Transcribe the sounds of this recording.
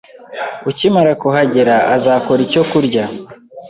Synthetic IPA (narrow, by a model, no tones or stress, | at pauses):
ucimaɾakuɦaɟeɾaʔazaːko̞ɾico̞kuɾɟa